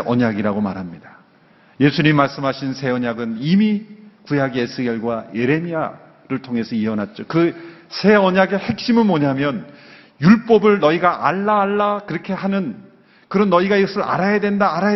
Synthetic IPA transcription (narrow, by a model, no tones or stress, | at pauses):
ʌɲaɡiɾaɡomaɾɦamɲidḁ | je̞sʰuɲimmaɭs͈ɯmɦaɕʰinsʰe̞ʌɲaɡɯnimikujaɡiesʰɯɡʌɭɡwaje̞ɾe̞mia | ɾɯɭtʰoŋe̞sʰʌiʌnat̚t͡ɕ͈okɯsʰe̞ʌɲaɡe̞he̞k̚ɕ͈imɯnmoɲamjʌn | juɭp͈ʌbɯɭnʌiɡaʔaɭːaːɭːakɯɾʌkʰe̞hanɯn | kɯɾʌnːʌiɡaiɡʌsʰɯɾa̰ɾajadwendaːɾa